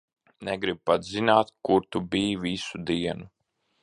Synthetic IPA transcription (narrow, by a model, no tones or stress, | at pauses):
nɛɡɾib̚pat̪zinaːt̪kuɾt̪ubiːvisud̪iɛnu